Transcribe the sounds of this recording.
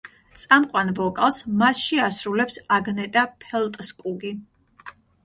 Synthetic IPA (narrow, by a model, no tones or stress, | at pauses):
t̪sʼamqʼwanvɔkʼalˠsmasʃiasɾulɛpsaɡnɛt̪ʼapʰɛlˠt̪ʼskʼuɡi